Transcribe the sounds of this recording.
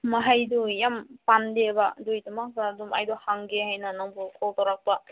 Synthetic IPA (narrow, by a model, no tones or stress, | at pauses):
maɦajdujampandebadujtamak̚baduma̰jdɔhaŋɡeɦajnanaŋbukʰɔltawɾak̚ba